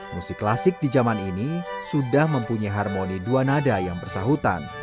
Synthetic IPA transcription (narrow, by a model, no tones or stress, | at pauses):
musɪkːlasɪk̚did͡ʒamaninisudahməmpuɲajɦarmoniduanadajaŋpərsaɦut̪a̰n